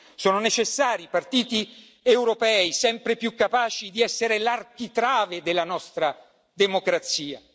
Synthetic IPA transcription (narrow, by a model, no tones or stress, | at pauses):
soːnonet͡ʃesːaːɾipart̪iːt̪i | ewɾopɛːisɛmpɾepjukːapaːt͡ʃid̪iɛsːeɾelark̟it̪ɾaːved̪elːanɔst̪ɾa | d̪emokɾat̪siːa̰